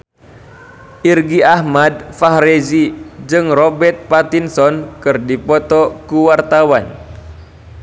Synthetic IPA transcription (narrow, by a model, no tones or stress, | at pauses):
ʔirɡiahmad̚faɦɾezid͡ʒɨŋrɔbɛrt̪̚pat̪insɔnkɨrdipɔt̪ɔkuwart̪awan